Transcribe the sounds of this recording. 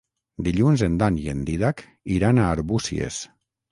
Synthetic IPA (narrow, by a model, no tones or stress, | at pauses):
d̪iʎunzend̪aniend̪iðak | iɾanaːɾβusḭḛs